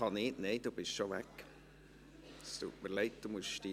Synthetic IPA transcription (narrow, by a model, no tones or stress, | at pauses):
ɑnɪːʔneɪd̥̪ub̥ɪʃʃɔʋæk | st̪ṵːtməɾleɪt̚d̥umʊsʃti